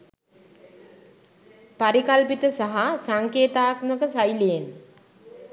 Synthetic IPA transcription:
paɾikalpit̪əsaɦasaŋkeːt̪aːk̪məkəsajlejen

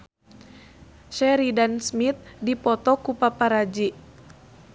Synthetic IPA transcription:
ʃɛɾidansmit̪̚dipɔt̪ɔkupapaɾad͡ʒi

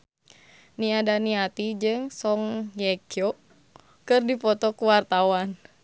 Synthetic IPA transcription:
niadaniat̪id͡ʒɨŋsɔŋjɛkiɔ | kɨrdipɔt̪ɔkuwart̪awan

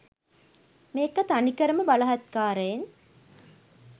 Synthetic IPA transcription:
meːkɐt̪anikəɾəməbalɐɦɐt̪kaːɾəjen

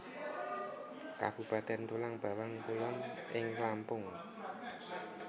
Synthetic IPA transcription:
ka̰b̥ṳpat̪ɛnt̪ulaŋb̥a̤waŋk̪ulɔnɪŋklampʊŋ

